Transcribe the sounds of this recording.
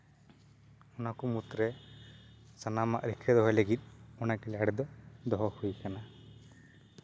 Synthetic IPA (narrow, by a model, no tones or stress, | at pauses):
ɔnakumut̪ɾe | sɐnama̰ʔɾikʰɾɛd̪ɔɦɔleɡit̪̚ɔnakɛlaɽɛd̪ɔd̪ɔɦɔhujikana